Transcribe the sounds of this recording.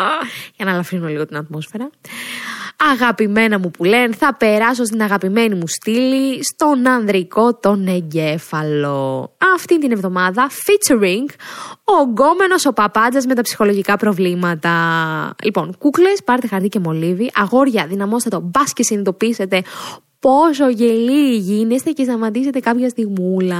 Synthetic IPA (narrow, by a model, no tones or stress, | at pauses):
ʝɐnɐlɐfɾinume̞liɣo̞t̪inɐt̪mo̞sfe̞ɾɐ | ɐɣɐpime̞nɐmupule̞nθɐpe̞ɾɐs̬o̞st̪inɐɣɐpime̞nimust̪ilist̪o̞nɐnðɾiko̞t̪o̞neɲɟe̞fɐlo̞ɐft̪inet̪ine̞vðo̞mɐðɐfit͡seɾiŋɡoɡo̞me̞no̞so̞pɐpɐd͡zɐzme̞t̪ɐpsi̥xo̞lo̞ʝikɐpɾo̞vlimɐt̪ɐlipo̞nkukle̞spɐɾet̪exɐɾt̪ice̞mo̞liðiʔɐɣo̞ɾʝɐðinɐmo̞st̪ɐt̪obɐscesind̪o̞pise̞t̪e̞ | po̞s̬o̞ʝe̞liʝinest̪eces̬t̪ɐmɐt̪ise̞t̪e̞kɐpçɐst̪iɣmulɐ